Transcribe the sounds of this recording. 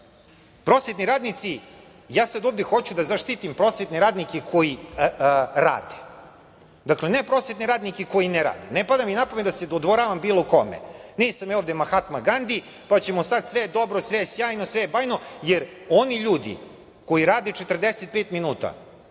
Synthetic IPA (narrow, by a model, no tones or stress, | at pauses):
pɾosjet̪niɾaːd̪nit̪si | jaːsad̪o̞ːvd̪exo̞t͡ɕud̪azaʃt̪it̪impɾo̞ːsʋet̪neɾaːd̪nikekʰo̞ji | ɾa̰ːd̪e | d̪aklenepɾoːsʋet̪neɾaːd̪nikeko̞jineɾa̰ːd̪enepad̪aminapomet̪d̪ased̪od̪ʋo̞ɾaʋambiːloko̞̰mḛniːsamjaoːvd̪emaxat̪maɡand̪i | pat͡ɕe̞mosad̪sʋed̪o̞bɾosʋesjaːjnosʋeebaːjno̞jeɾo̞niʎuːd̪ḭ | ko̞jiɾaːd̪et͡ʃet̪rd̪eset̪̚peːt̪minuːt̪a̰